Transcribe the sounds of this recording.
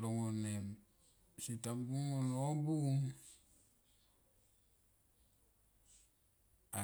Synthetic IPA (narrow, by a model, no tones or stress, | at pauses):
loŋonem | sitambuŋonobuŋ | a